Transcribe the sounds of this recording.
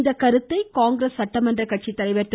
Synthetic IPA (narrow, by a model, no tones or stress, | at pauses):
nd̪ɐkɐɾɯt̪ːɐɪkaːŋɡɪɾesːɐʈːɐmɐndrɐkɐʈ̚t͡ʃit̪ːɐlɐɪʋɐɾt̪ː